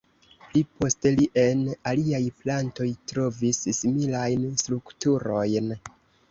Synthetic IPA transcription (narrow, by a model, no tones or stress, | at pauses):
plipo̞ste̞liʔe̞naliajplanto̞jtɾo̞vissimilajnstɾuktuɾo̞jn